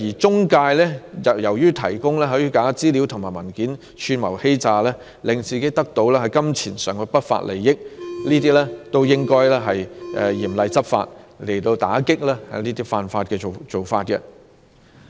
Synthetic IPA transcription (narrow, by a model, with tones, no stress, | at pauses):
jiː˨˩t͡sʊ˥ŋkaː˧jlɛː˥ɐ˨jɐ˨˩wjyː˥t̪ʰɐ˨˩jkʊ˥ŋlɛː˥ɦɵ˨˧˥jyː˥kaː˨˥t͡siː˥li˨˥wt̪ʰʊ˨˩ŋmaː˨˩jmɐ˨˩nkiː˨˥n | t͡ʃʰyː˧nmɐ˨˩whe˥jt͡saː˨˧lɛː˥ | lɪ˨ŋt͡siː˨ke˨˥jt̪ɐ˥k̚t̪o˨˥wlɛː˥hɐ˨jkɐ˥mt͡sʰiː˨˩nsœː˨ŋkɛ˧pɐ˥t̚fa̰ː˧t̚lʔḛ˨˩jjɪ˥k̚liː˥t̪iː˥lɛ˥t̪o˥wjɪ˥ŋkɔː˥jlɛː˥ɦɐ˨jʔɛ̰˧jiː˨˩mlɐ˨˧jt͡sɐ˥p̚fa̰ː˧t̚le˨˩jt̪o˧wt̪aː˨˥kɪ˥k̚lɛː˥hɐ̰˨jniː˥t̪iː˥faː˧nfaː˧t̚kɛː˧o˨t͡ʃo˨wfaː˧t̚kɛ̰˧